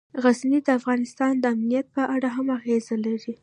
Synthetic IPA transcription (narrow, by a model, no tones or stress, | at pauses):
ɣaznid̪əafɣɑnɪst̪ɑnd̪əamnijat̪̚pəʔaɽaɦamaɣezalaɾi